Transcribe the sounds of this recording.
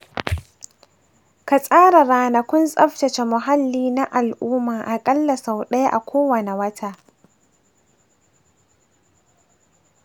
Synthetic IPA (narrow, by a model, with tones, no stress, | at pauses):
ka˨sʼaː˦ɾa˨ɾaː˨nɐ˨kʷʊ˦nsʼɐ˦ɸtɐ˨t͡ʃe˨mʊ˨ɦa˦lːiː˦na˦ʔa˨lʔuː˦maː˨ʔa˨kʼɐ˦lːɐ˨sa˨wɗɐ˦ja˦ʔa˨kʷʰoː˦wɐ˨ne˨wɐ˦tʰaː˦˨ʔ